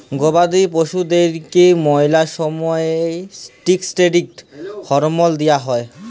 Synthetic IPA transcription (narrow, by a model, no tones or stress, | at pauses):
ɡobad̪ip̬oʃud̪eɾkemɔjlaʃɔmɔeesʈiksʈeɖik̚ʈfʰɔɾomold̪ijaɦɔe